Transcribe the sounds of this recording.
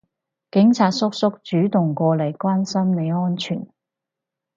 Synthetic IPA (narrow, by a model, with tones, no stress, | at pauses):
kɪ˨˥ŋt͡sʰaː˨t̚sʊ˥k̚sʊ˥k̚t͡ʃyː˨˥t̪ʊ˨˩ŋkʷɔː˧le˨˩jkʷwaː˥nsɐ˥mne˨˧jŋɔː˥nt͡ʃʰy̰ː˨˩n